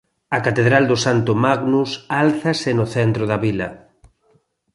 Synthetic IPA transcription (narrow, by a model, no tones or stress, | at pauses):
ɐkat̪eðɾald̪osant̪ʊmaɣnusalθɐsɪnoθɛnt̪ɾoðɐβilɐ